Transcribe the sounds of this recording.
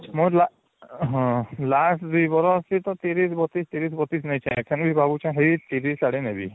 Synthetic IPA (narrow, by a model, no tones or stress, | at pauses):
mojla | ɦɔ̃lasʰd̪ujbɔɾɔsit̪ɔt̪iɾisbɔt̪ist̪iɾis̬bɔt̪is̬nejt͡ʃʰãekʰanbʱibʱabut͡ʃʰãɦejt̪iɾisaɽinebḭ